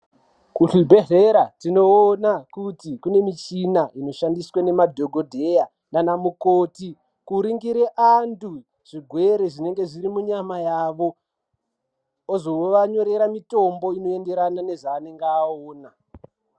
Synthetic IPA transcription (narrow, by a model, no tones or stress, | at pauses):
kuɬibʱe̞ɮeɾatino̞ːnakutikune̞mit͡ʃinaʔino̞ʃandiswane̞madʱo̞ɡʱo̞dʱe̞ja | nanamukoːti | kuɾiŋɡiɾeʔandu | ʐ̥iɡʱweɾeʐine̞ŋɡe̞ʐiɾimuɲamajaʋo̞ | ozo̞ʋaɲo̞ɾe̞ɾamito̞mbo̞ino̞e̞nde̞ɾanane̞ʐaːne̞ŋɡeaoːna